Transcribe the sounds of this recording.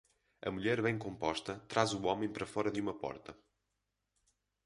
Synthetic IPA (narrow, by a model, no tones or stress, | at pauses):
ɐ̰muʎɛɾβẽj̃kõmpɔʃt̪ɐt̪ɾazuɔmɐ̃j̃pɾɐfɔɾɐðjumɐpɔ̰ɾt̪ɐ